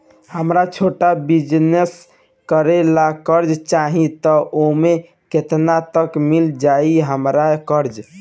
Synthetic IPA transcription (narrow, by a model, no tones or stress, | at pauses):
həmɾat͡ʃʰoʈabid͡ʒnes | kəɾelakəɾd͡ʒt͡ʃaɦĩt̪ɔʔome | ket̪nat̪əkmild͡ʒaiɦəmɾakəɾd͡ʒ